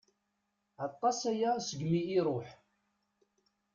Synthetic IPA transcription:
ɑt̪ˤːɑsæjæsəɡmiiɾˤoħ

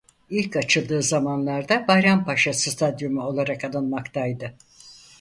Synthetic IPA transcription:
ilʲkat͡ʃʰɯlˠd̪ɯːzamanlˠaɾd̪abajɾampaʃasɯst̪ʰad̪jomuo̞lˠaɾakalˠɯnmakt̪ajd̪ɯ

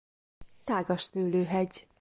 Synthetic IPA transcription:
t̪aːɡɒʃsyːløːɦɛɟ

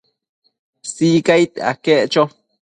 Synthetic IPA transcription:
siːkajt̪a̰keʔt͡ʃo

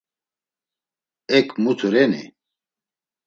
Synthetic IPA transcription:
ɛkmut̪ʰuɾɛnḭ

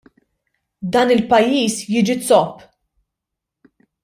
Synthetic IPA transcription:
d̪ɐːnɪlpɐjːiːsjiːd͡ʒit̪t͡sɔpː

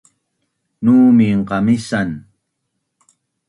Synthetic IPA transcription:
nuːmiɴqɑmisan

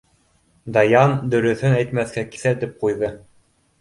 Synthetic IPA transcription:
d̪ɑjɑnd̪ɵ̆ɾɵ̆θɵnæjt̪mæθkæki̥θæt̪ip̚qujðɤ

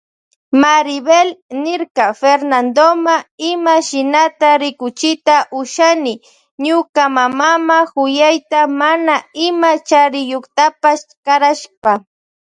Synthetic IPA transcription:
maɾɪbelnɪɾkafeɾnand̪omaɪmaʃɪnat̪aɾɪkʊt͡ʃɪt̪aʔʊʃanɪ | ɲʊkamamamahʊjajt̪amanaɪmat͡ʃaɾɪjoχt̪apaskaɾaʃpa

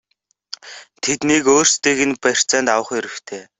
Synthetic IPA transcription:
t̪ʰet̪nikoːrst̪eːɣɘ̆npær̥t͡saːnt̪awə̆χiɾɘ̆wt̪ʰeː

